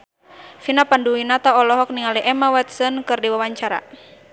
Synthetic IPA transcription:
finapanduinat̪aɔlɔɦɔk̚niŋaliʔɛmawɛt̪sənkɨrdiwawaɲt͡ʃaɾa̰

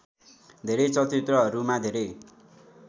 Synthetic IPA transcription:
d̪ʱeɾʌjt͡sʌt̪it̪rʌɦʌɾumad̪ʱeɾʌj

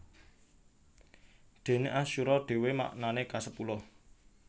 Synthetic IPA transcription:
d̪̥e̤neʔaʃuɾɔɖ̥e̤wema̰ʔnanekasəpulɔ

